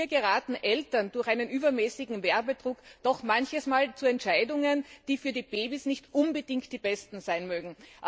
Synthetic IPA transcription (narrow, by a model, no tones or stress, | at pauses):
ɐɡəʁaːtn̩ʔɛltɐnd̥ʊɐxʔaɪnənʔyːbɐmɛːsɪɡŋ̩vɛɐbədʁʊkd̥ɔxmançəsmaːlt͡suɛntʃaɪdʊŋənd̥iːfyːɐdiːb̥eːbisnɪçtʔʊnbədɪŋkt̚d̥iːbɛstn̩zaɪnmøːɡŋ̩ʔ